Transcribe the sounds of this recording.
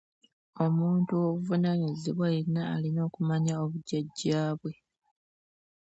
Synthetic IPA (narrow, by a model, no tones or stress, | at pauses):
o̞muːntuoβuvunaɲiziβwaiina̰ːlino̞ːkumaɲaoβuɟaɟːaːβwe̞